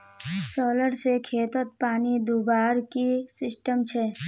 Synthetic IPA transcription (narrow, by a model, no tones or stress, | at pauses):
sɔːləɾsekʰeːt̪ət̪̚paːnid̪uːbaːɾkisɪsʈəmt͡ʃʰɛː